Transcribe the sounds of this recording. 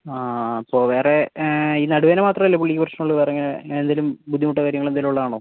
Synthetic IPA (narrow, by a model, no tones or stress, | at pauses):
aːɐpːoːʋe̞ːre̞inɐɽuʋeːnemaːt̪rɐmɐlːɐpuɭːikʲːiprɐɕnɐmuɭːɨʋerɐŋːɐend̪ɐlumbud̪ʱːimuʈːɐkaːɾjɐŋːɐɭend̪aːluɭːɐðaːɳoː